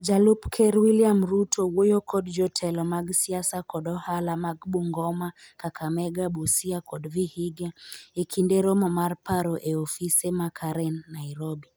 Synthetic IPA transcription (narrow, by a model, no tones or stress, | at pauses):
d͡ʒalupkʰɛɾwiliamɾutʰɔwojɔkʰɔdd͡ʒɔtʰɛlɔmaɡsiasakɔdɔhalamaɡɓuŋɡɔmakakʰamɛɡabusiakʰɔdvihiɡaekʰindɛɾɔmɔmaɾpaɾɔʔɛɔfisɛmakʰaɾɛnːaiɾɔbi